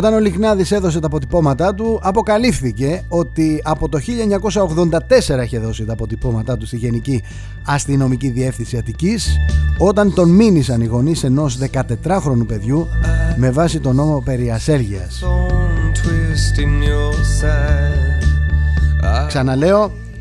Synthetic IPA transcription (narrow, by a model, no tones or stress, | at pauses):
o̞t̪ɐno̞liɣnɐðise̞ðo̞s̬e̞t̪ɐpo̞t̪̬ipo̞mɐt̪ɐt̪uɐpo̞kɐlifθice̞o̞t̪iɐpo̞t̪o̞çiʎɐeɲɐko̞sɐo̞ɣðo̞nd̪ɐt̪e̞se̞ɾɐiçe̞ðo̞sit̪ɐpo̞t̪ipo̞mɐt̪ɐt̪ust̪iʝe̞nici | ɐst̪ino̞miciðie̞fθinsiɐt̪iciso̞t̪ɐnt̪o̞nminisɐniɣo̞nise̞no̞sðe̞kɐt̪e̞t̪ɾɐxɾo̞nupe̞ðʝume̞vɐsit̪o̞no̞mo̞pe̞ɾiɐse̞lʝiɐ̰s | t̪ɾist̪ins | ksɐnɐle̞o̞